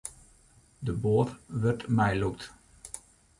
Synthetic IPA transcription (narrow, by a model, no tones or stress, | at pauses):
dəboːtʋərtmɛjlukt